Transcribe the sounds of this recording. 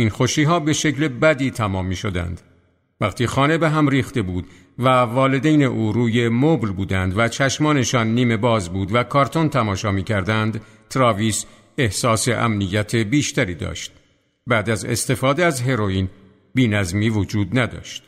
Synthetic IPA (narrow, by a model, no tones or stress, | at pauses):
inxo̞ʃiːɦɒːbe̞ʃe̞clebæd̪iːt̪ʰæmɒːmːiːʃod̪æ̰nd̪̥ | væqt̪ʰiːxɒːne̞be̞ɦæmɾiːxt̪e̞buːd̪ | vævɒːle̞d̪ejne̞ʔuːɾuːje̞moblbuːd̪ænd̪væt͡ʃʰæʃmɒːne̞ʃɒnːiːme̞bɒːzbuːd̪vækʰɒːɾt̪ʰo̞nt̪ʰæmɒːʃɒːmiːcʰæɾd̪ænd̪ | t̪ʰɾɒːviːs | e̞hsɒːse̞ʔæ̰mnijːæt̪ʰebiːʃt̪æɾiːd̪ɒ̰ːʃt̪̚ | bæd̪æzḛst̪e̞fɒːd̪eæzɦe̞ɾoiːn | biːnæzmiːvod͡ʒuːd̪næd̪ɒ̰ʃt̪